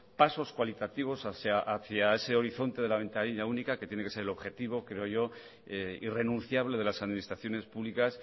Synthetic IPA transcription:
paso̞skwalit̪at̪iβ̞o̞saθjaʔaθjae̞se̞o̞ɾiθo̞nt̪e̞ðe̞laβ̞e̞nt̪aɾiʎaunikake̞t̪je̞ne̞kese̞ɾelo̞βxe̞t̪iβ̞o̞kɾe̞o̞ʝo̞ | eḭre̞nũn̟θjaβle̞ðe̞lasaðminist̪ɾaθjo̞ne̞spuβlikas

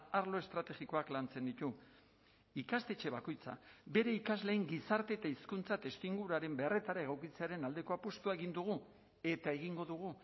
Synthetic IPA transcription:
aɾlo̞est̪ɾat̪e̞ɣiko̞aklant͡se̞nd̪it̪u | ikast̪e̞t͡ʃe̞βako̞jt͡sa̰be̞ɾe̞ikazle̞iŋɡisaɾt̪e̞ːt̪aiskunt͡sat̪e̞st̪iŋɡuɾaɾe̞mbe̞are̞t̪aɾae̞ɣ̞awkit͡se̞aɾe̞nald̪e̞ko̞apost̪uae̞ɣ̞ind̪uɣ̞u | e̞t̪ae̞ɣ̞iŋɡo̞ðuɣ̞u

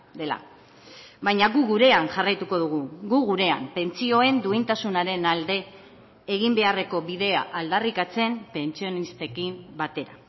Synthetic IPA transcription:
d̪e̞la̰ | βajɲaɣuɣuɾe̞anʝarajt̪uko̞ð̞uɣ̞uɡuɣuɾe̞ampe̞nt͡sio̞e̞nd̪uint̪asunaɾe̞nald̪e̞ː | ɣimbe̞are̞ko̞βiðe̞a̰ʔald̪arikat͡se̞mpe̞nt͡sio̞nist̪e̞kimbat̪e̞ɾa

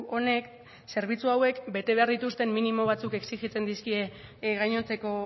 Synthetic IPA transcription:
o̞ne̞k | se̞ɾβ̞it͡suawe̞kbe̞t̪e̞βe̞aɾðit̪ust̪e̞mːinimo̞β̞at͡suke̞ksiɣit͡se̞nd̪iskie̞ɣajɲo̞nt͡se̞ko̞

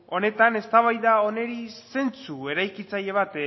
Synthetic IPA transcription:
o̞ne̞t̪ane̞st̪aβ̞ajðao̞ne̞ɾise̞nt͡sue̞ɾajkit͡saje̞β̞at̪

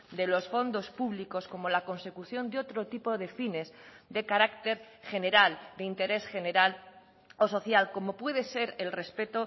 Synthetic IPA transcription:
d̪e̞lo̞sfo̞nd̪o̞spuβliko̞sko̞mo̞lako̞nse̞kuθjo̞nd̪eo̞t̪ɾot̪ipoðe̞fine̞zd̪e̞kaɾakt̪e̞ɾ | xe̞ne̞ɾald̪eint̪e̞ɾe̞sxe̞ne̞ɾal | o̞so̞θjalko̞mo̞pwe̞ðese̞ɾelre̞spe̞t̪o

